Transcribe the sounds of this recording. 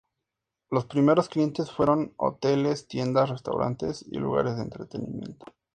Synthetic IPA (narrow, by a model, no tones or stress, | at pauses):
lo̞spɾime̞ɾo̞sklije̞nt̪e̞sfwe̞ɾo̞no̰t̪e̞le̞st̪je̞nd̪asre̞st̪a̰wɾʔa̰nt̪e̞sḭlṵɣa̰ɾezðeːnt̪ɾe̞t̪e̞nimje̞̰nt̪o̥